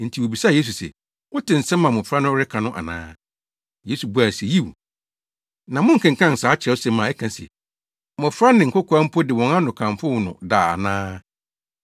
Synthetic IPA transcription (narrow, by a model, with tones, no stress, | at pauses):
n̩˨tʰi˨wo˨bi˨sa˦˨eː˦s̬u˨sɛ̰˨ | wʊ˦tʰɪ̃˨n̩˨sɛ̃˦mːã˨mʊ̃˨fɾa˦nʊ̃˦ɾɪ˦kʰã˨nʊ̃˦ʔa̰˨nã̰ː˦ | je˦su˨bu˦a˨sɛ˨ji˦w̰ | nã˨mʊ̃˦ŋ̩˨kʰɪ̃˨ŋkʰã˦˨n̩˨saː˨˦t͡ɕʰɪ˨ɾɛ˦ɔ˦sɛ˦mã˨ɛ˦kʰã˨n˨sɛ̰˨ | mʊ̃˨fɾa˦nɪ̃˨ŋ̩˨kʰʊ˦kʰɔ˨˦a˦m̩˦pʰɔ˦dɪ˨wɔ̃˨ŋã˦nʊ̃˨kʰã˨mfʊ˦wʊ˨nʊ̰̃˨daː˨a̰˨nãː˦